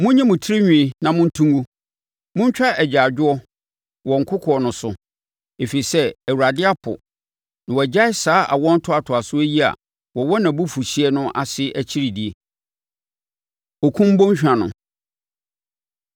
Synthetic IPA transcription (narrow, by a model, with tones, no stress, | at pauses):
mʊ̃˦ɲɛ̃˦mʊ̃˨tʰi˦ɾi˦ɲᶣĩ˨i˨nã˨mʊ̃˦n̩˦tʰũ˦ŋɡu˦ | mʊ̃˦ɲ˦t͡ɕᶣa˦ʔɛ˨d͡ʑa˨d͡ʑᶣʊ˦ɔ˦ | wɔ̃˨ŋ˨kʰʊ˦kʰɔ˨ɔ˨nʊ̃˨sʊ˨ | e˨fi˨ɾi˨sɛ˦æ˨wu˨ɾa˨dɪ˦a˦pʰʊ̰˨ | nã˨wɔ˨d͡ʑa˦ɪ˦saː˦ʔa̰˨wɔ̃˦n̩˦tʰʊ˦a˨tʰʊ˨a˨sʊ˦æ˦ji˦a̰˨ | wɔ˨wɔ˦nã˨bu˦fu˨ɕi˦ɛ˦nʊ̃˦ʔa˨sɪ˦ʔæ˨t͡ɕʰi˦ɾi˨di˨e˨ | ɔ˨kʰũ˦m˦bo˦ɲ˦ɕᶣã˨nʊ̰̃˨